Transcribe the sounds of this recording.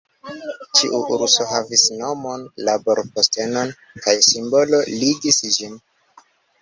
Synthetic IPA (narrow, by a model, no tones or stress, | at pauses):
t͡ʃiʔuʔuɾuso̞ɦavisno̞mo̞nlabo̞ɾposte̞no̞n | kajsimbo̞lo̞liɡisd͡ʒin